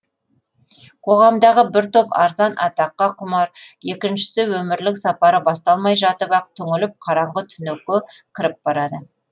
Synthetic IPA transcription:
qʰo̞ʁɑmd̪ɑʁəbɪɾt̪opɑ̰ɾzɑnʔɑ̰t̪ɑqːɑqʰʊmɑɾe̞kʲɪnʃɪ̥sɪwɵmɪɾlɪksɑpɑɾəbɑst̪ɑlˠmɑjʒɑt̪əbɑq̚t̪ʰʏŋɪlɪp̚qʰɑɾɑɴʁət̪ʰʏnekʲːɪkʲʰɪɾɪp̚b̥ɑɾɑd̪ə

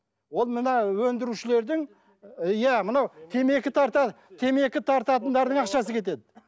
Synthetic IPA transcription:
wo̞lˠmənɑwɵnd̪ɪɾuʃɪle̞ɾd̪ɪŋ | jæmənɑwt̪ʰe̞me̞kʲɪt̪ʰɑɾt̪ɑ | t̪ʰe̞me̞kʲɪt̪ʰɑɾt̪ɑt̪ənd̪ɑɾd̪əɴɑqʃɑsəkʲʰe̞t̪̬e̞d̪ɪ

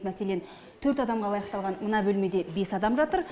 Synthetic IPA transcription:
mæse̞le̞n | t̪ʰɵɾt̪ɑd̪ɑmʁɑlˠɑjɑqt̪ɑlˠʁɑnmənɑbɵlme̞d̪e̞be̞sɑd̪ɑmʒɑt̪əɾ

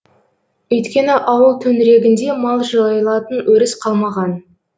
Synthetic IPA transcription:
ɵjt̪kʲe̞nɪʔɑwəlˠt̪ʰɵnɪɾe̞ɡʲɪnd̪e̞mɑlˠʒɑjəlˠɑt̪ənwɵɾɪsqʰɑlˠmɑʁɑn

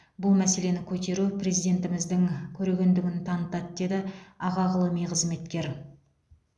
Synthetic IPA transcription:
bʊlˠmæse̞le̞nɪkʲʰɵt̪e̞ɾuprʲe̞zijd̪e̞nt̪ɪmɪzd̪ɪŋkʲʰɵɾe̞ɡʲe̞nd̪ɪɡʲɪnt̪ʰɑnət̪ɑt̪̚d̪e̞d̪ɪɑʁɑʁəlˠəmijqʰəzme̞t̪kʲe̞ɾ

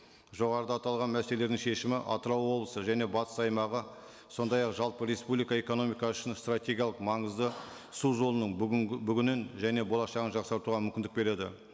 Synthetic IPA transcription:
ʒo̞ʁɑɾəd̪ɑt̪ɑlˠʁɑnmæse̞leled̪ɪŋʃe̞ʃɪmɪʔɑ̰t̪əɾɑwwo̞blˠəsəʒæne̞bɑt̪ə̥sɑjmɑʁə | so̞nd̪ɑjɑqʒɑlˠpəɾe̞spublijkɑe̞ko̞no̞mijkɑʏʃɪnst̪rat̪ʲe̞ɡʲijɑlˠəqmɑɴəzd̪ə | suʒo̞lˠənəɴbʏɡʲɪnɪnʒæne̞bo̞lˠɑʃɑʁənʒɑqsɑɾt̪uʁɑmʏmʲkʲɪnd̪ɪk̚be̞ɾe̞d̪ɪ̰

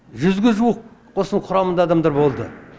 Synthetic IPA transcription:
ʒʏzɡʲɪʒuwəqqʰo̞səɴqʰʊɾɑmənd̪ɑːd̪ɑmd̪ɑɾbo̞lˠd̪ə

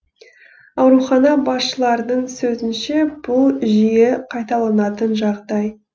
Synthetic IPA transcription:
ɑwɾuχɑnɑbɑsʃəlˠɑɾd̪əɴsɵzɪnʃe̞b̥ʊlˠʒijeqʰɑjt̪ɑlˠɑnɑt̪ənʒɑʁd̪ɑj

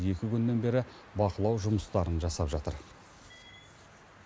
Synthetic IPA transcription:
je̞kʲɪkʲʏnːe̞nbe̞ɾɪ | bɑqəlˠɑwʒʊməst̪ɑɾənʒɑsɑpʒɑt̪ə̰ɾ

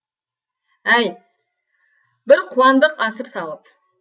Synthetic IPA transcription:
æj | bɪɾqʰuɑnd̪əqɑsəɾsɑlˠəp̚

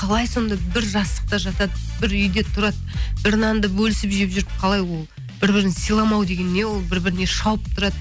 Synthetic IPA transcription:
qʰɑlˠɑjso̞nd̪ɑbɪɾʒɑst̪ˠəq̚t̪ɑʒɑt̪ɑd̪əb̥ɪɾʏjd̪e̞t̪ʰʊɾɑd̪ | bɪɾnɑnd̪əbɵlɪsɪpʒepʒʏɾɪp̚qʰɑlˠɑjwo̞lˠ | b̥ɪɾbɪɾɪnsijlˠɑmɑwd̪eɡʲe̞nːe̞wo̞lˠbɪɾbɪɾɪne̞ʃɑwəp̚t̪ʰʊɾɑd̪ə

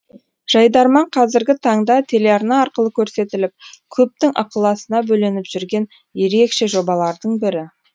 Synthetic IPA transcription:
ʒ̥ɑjd̪ɑɾmɑɴqʰɑzɪɾɡʲɪt̪ʰɑɴd̪ɑt̪ʰe̞le̞ɑɾnɑːɾqəlˠəkʲʰɵɾse̞t̪ɪlɪp̚kʲʰɵp̚t̪ɪŋʔɑ̰qəlˠɑsənɑbɵlenɪpʒ̥ʏɾɡʲe̞n | je̞ɾe̞kʃe̞ʒo̞bɑlˠɑɾd̪əɴbɪɾɪ

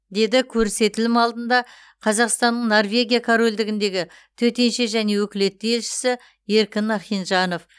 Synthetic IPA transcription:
d̪e̞d̪ɪkʲʰɵɾse̞t̪ɪlɪmɑlˠd̪ənd̪ɑ | qʰɑzɑqst̪ɑnːəɴno̞rvʲe̞ɡʲijakʰoɾo̞lʲd̪ɪɡʲɪnd̪e̞ɡʲɪ | t̪ʰɵt̪e̞nʃe̞ʒæne̞wɵkʲɪle̞t̪ːɪe̞lʃɪ̥sɪ | e̞ɾkʲɪnɑχijnʒɑno̞f

